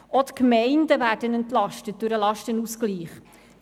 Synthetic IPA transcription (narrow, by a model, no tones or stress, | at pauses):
ɔt̪kmɛɪndəvæːɾdənɛntlɑʃtət̚d̥ʉɾəlɑʃtənusɡ̥liːχ